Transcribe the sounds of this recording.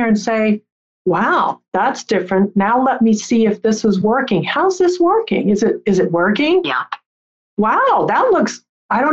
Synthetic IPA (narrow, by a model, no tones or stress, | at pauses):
ɹɨ̃nseɪ | waʊðætsd̥ɪfɹɨ̃nnaʊlɛt̚misiɨfðɪsʌzwɜ˞kɪ̃ŋhaʊzðɪswɜ˞kɪ̰̃ŋɨzɨɾɨzɨt̚wɜ˞kɪ̃ŋ | waʊðətˡlʊks | aɪɾõʊ̃